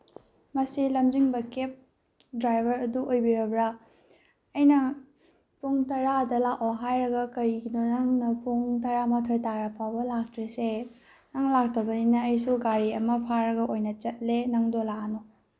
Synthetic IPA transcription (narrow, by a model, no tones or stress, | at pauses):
mɐsilɐmd͡ʒiŋbɐkep̚ | dɾajbʱɐɾɐduojbiɾɐbɾa | ɐjnɐ | pʰuŋtɐɾadɐlakoɦajɾɐɡɐkɐɾiɡinonaŋnɐpʰuŋt̬ɐɾamatʰojtaɾɐpʰawbɐlak̚tʰɾise | naŋlak̚tʰɐbɐninɐːjsuɡaɾiɐmɐpʰaɾɐɡɐʔojnɐt͡ʃɐt̚lenɐŋdolaʔano